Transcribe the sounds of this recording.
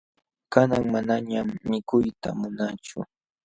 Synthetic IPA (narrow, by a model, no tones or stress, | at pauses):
kanaŋmanaɲamːɪkʊjt̪a̰mʊnat͡ʃʊ̰